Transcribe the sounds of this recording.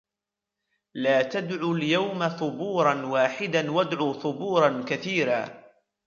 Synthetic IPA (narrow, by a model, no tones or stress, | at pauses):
laːt̪ad̪ʕuːljawmaθˤʊbuːɾˤɑnwaːħɪd̪anwad̪ʕuːθˤʊbuːɾˤɑnkaθiːɾa̰ː